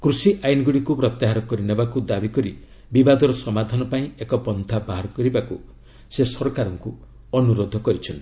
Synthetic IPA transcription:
kɾusiʔajnɔɡuɽikupɾɔt̪jaɦaɾɔkɔɾinebakud̪abikɔɾi | bibad̪ɔɾɔsɔmad̪ʱanɔpaĩekɔpɔnt̪ʰabaɦaɾɔkɔɾibaku | sesɔɾɔkaɾɔŋku | ɔnuɾod̪ʱɔkɔɾit͡ʃʰɔnt̪

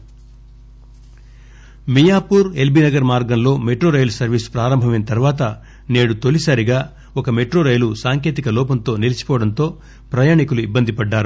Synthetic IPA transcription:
mijaːpuːɾe̞lbinɐɡɐɾmaːɾɡɐmlo̞ːmeʈɾoːɾɐjlsɐɾʋiːspɾaːɾɐmbʱɐmɐjnɐt̪ɐɾʋaːt̪̬ɐ | ne̞ːɽut̪o̞lisaːɾiɡaː | ɔkɐme̞ʈɾoːɾɐjlusaːŋke̞ːt̪ikɐlɔːpɐnt̪o̞ːnilɐt͡ʃi̥pɔːʋɐɽɐnt̪o̞ː | pɾɐjaːɳikuluibːɐnd̪ipɐɖːaːɾu

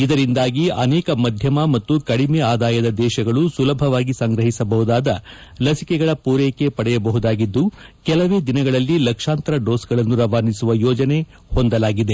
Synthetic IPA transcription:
id̪ɐɾind̪aːɡiɐnɛːkɐmɐd̪ʱjɐmɐmɐt̪ːukɐɽimɛaːd̪aːjɐd̪ɐd̪ɛːʃɐɡɐɭusulɐbʱɐʋaːɡisɐŋɡɾɐɦisɐbɐɦud̪aːd̪ɐ | lɐsikɛɡɐɭɐpuːɾeːke̞pɐɽɛjɐbɐɦud̪aːɡid̪ːukɛlɐʋeːd̪inɐɡɐɭɐlːilɐkʂaːnt̪ɐɾɐɖoːsɡɐɭɐnːuɾɐʋaːnisuʋɐjɔːd͡ʒɐne̞ | hond̪ɐlaːɡid̪e̞

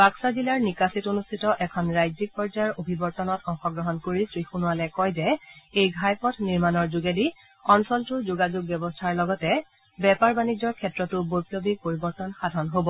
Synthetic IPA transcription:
b̥aksazilaɹnikasitonustʰitɔʔɛkʰɔnɹajzik̚pɔɹd͡ʒajɔɹobʱibɔɹtɔnɔtɔŋxɔɡɹɔɦɔnkoɹisɹixunʊwalɛkɔjzɛejɡʱajpɔtʰniɹmanɔɹzuɡedi | ɔnsɔltʊɹzuɡazuɡ̚bjɔbɔstʰaɹlɔɡɔtɛ | bɛpaɹbanid͡ʒɔɹkʰɛtɹɔtʊbojpobipoɹibɔɹtɔnxadʱɔnɦobɔ

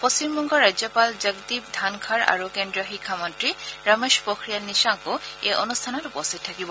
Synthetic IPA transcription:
post͡ɕimbɔŋɡɔɹajzɔpalzaɡd̪ip̚dʱankʰaɹa̰ɹukendɹiɔxikʰːamɔntɹiɹameʃpokɹijanisaŋkʊejʔɔnustʰanɔtupɔstit̚tʰːakibɔ

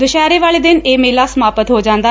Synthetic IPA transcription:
d̪ʊʃɛːɾeːʋaːɭeːd̪ɪneːmeːlaːsəmaːpət̪ɦoːd͡ʒãːnd̪aː

